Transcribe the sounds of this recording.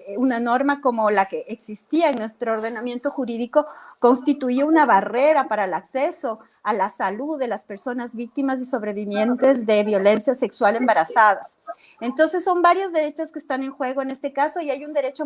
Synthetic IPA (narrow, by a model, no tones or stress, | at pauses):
unano̞ɾmako̞mo̞lake̞ʔeksist̪iaeŋnwe̞st̪ɾooːɾðe̞namje̞nt̪o̞xuɾiðiko̞ko̞nst̪it̪ujeunaβare̞ɾapaɾaelakse̞so̞ | alasaluðːe̞laspe̞ɾso̞nazβik̚t̪imazðiso̞βɾe̞βimje̞nt̪e̞zðe̞βjo̞le̞nsjase̞kswale̞mbaɾasað̞a | e̞nt̪o̞nse̞sːo̞mbaɾjo̞zðe̞ɾe̞t͡ʃo̞skeːst̪ane̞ŋxwe̞ɣo̞ene̞st̪e̞kaso̞iajund̪e̞ɾe̞t͡ʃo